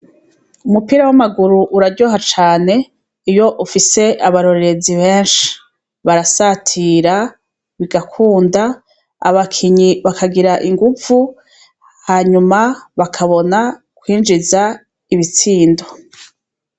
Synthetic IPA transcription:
umupiːɾawamaɡuɾuʔuɾadɟoɦat͡ʃaːne̞ | ijo̞ʔufise̞ʔaβaɾo̞ɾeɾe̞ziβe̞ːnʃi̥ | βaɾasatʰiːɾa | βiɡakʰuːnda | a̰βakʰiɲiβakʰaɡiɾaʔiŋɡuvu | haːɲumaβakʰaβo̞na | kwiːnd͡ʒiza | iβit͡siːndo̞̥

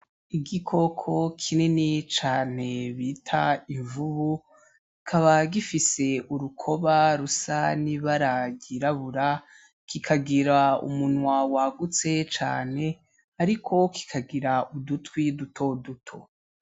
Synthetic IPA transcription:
iɡikʰo̞kʰo̞kʰininit͡ʃaːne̞βitʰaiɱvuβu | ikʰaβaɡifise̞ʔuɾukʰo̞βaɾusaniβaɾaɡiɾaβuɾa | kikʰaɡiɾaṵmun̥wawaɡut͡se̞t͡ʃa̰ːne̞ | aɾikʰo̞ki̥kʰaɡiɾaudutwidutʰo̞dutʰo̞̰

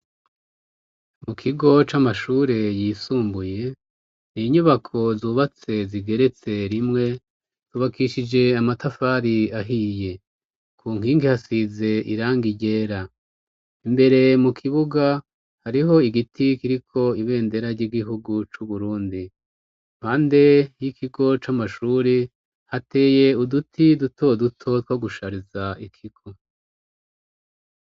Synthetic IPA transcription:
mukʰiɡo̞t͡ʃamaʃuːɾe̞jiːsuːmbuje̞ | niɲuβakʰo̞zuːβat͡se̞ziɡe̞ɾe̞t͡se̞ɾimŋe̞ | z̥uːβakʰiʃid͡ʒe̞amatafaːɾiaɦiːje̞ | kʰuːŋ̥hiːŋɡihasize̞ʔḭɾaːŋɡiɟe̞ːɾa | imbe̞ɾe̞mukʰiβuɡa | haɾiɦo̞iɡitʰikiɾikʰo̞iβe̞ːnde̞ɾaɾɟiːɡiɦuɡut͡ʃuβuɾuːndi | m̥aːnde̞jikʰiɡo̞t͡ʃamaʃuːɾi | hate̞ːje̞udutʰidutʰo̞dutʰo̞twaɡuʃaɾizaikʰiɡ̥o̞

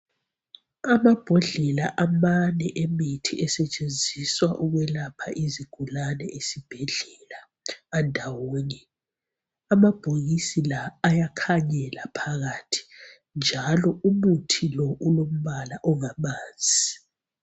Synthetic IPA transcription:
amab̥ʱɔɮɛlaʔamanɛʔemitʰiʔɛsɛt͡ʃʼend͡zʱiswaʔuɣwɛlapʰaʔiziɡ̥ʱulanɛʔesib̥ʱɛɮɛlaː | ndʱawoːni | amab̥ʱoɣisilaːjakʰaɲɛlapʰaɣatʰi̥ | nd͡ʒʱalɔumutʰilɔʔulom̩βalaʔɔŋamaːnd͡zʱii

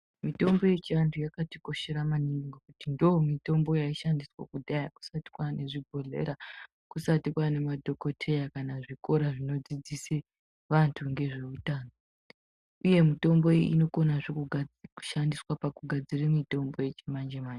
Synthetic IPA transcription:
mito̞mbo̞je̞t͡ʃiantʰujakatiko̞ʃeɾamaniŋŋɡokutindoːmito̞mbo̞jaiʃandiswa̰kudʱajaku̥sati̥kwane̞ʐibʱo̞ɮḛɾa | kusatikwane̞madʱo̞ko̞tʰe̞jakanaʐiko̞ɾaʐino̞d͡zid͡zise | ʋantʰuŋɡe̞ʐe̞utaːno | uje̞mito̞mbo̞eḭno̞ko̞naʐekuu̥ʃandiswapakuɡʱad͡zirimito̞mbo̞je̞t͡ʃemand͡ʒemaːɲd͡ʒe

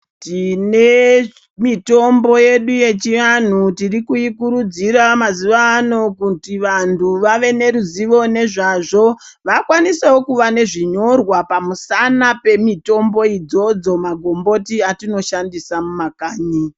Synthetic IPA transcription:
tine̞ | mito̞mbo̞je̞ɗuje̞t͡ʃian̤utirikuikuɾud͡ziɾamaziʋaːno̞kutiʋantʰuʋaʋe̞ne̞ɾuziʋo̞ne̞ʐaʐo̞ | ʋakwanisewokuʋane̞ʐiɲo̞rwapamusanape̞mito̞mbo̞id͡zo̞d͡zo̞maɡʱo̞mbo̞tiatino̞ʃandisamumakaːɲi

